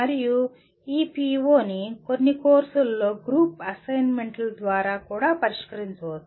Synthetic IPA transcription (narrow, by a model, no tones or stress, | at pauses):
ɐɾiju | iːpiːʋoːnikonːikoːɾsɐlːoːɡɾuːpɐsɐjnmeɳʈɐld̪ʋaːɾaːkuːɽaːpɐɾiʂkɐɾiɲt͡ʃɐʋot̪ː